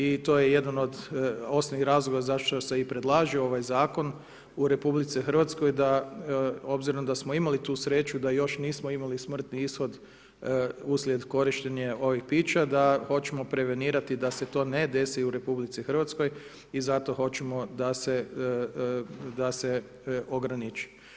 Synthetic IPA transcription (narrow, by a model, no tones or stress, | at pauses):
it̪o̞ːjeje̞d̪ano̞d̪o̞snonixɾazlˠoʋɡazaʃt̪ose̞ipɾe̞d̪lˠaːʒioo̞ʋajzaːko̞n | uɾe̞publit̪sixər̩ʋat̪sko̞jd̪a | o̞bziɾond̪asmoimalit̪uːsɾe̞t͡ʃud̪ajo̞ʃniːsmoimalismr̩t̪niisxo̞d̪ | uslje̞d̪ko̞ɾiʃt̪eɲeo̞ʋixpiːt͡ʃad̪aho̞t͡ɕemo̞pɾe̞ʋe̞niːɾat̪id̪ase̞t̪o̞ːne̞d̪e̞siuɾe̞publit̪sixr̩ʋat̪sko̞j | izat̪o̞xo̞t͡ɕemo̞d̪ase | d̪ase | o̞ɡɾanit͡ʃi̥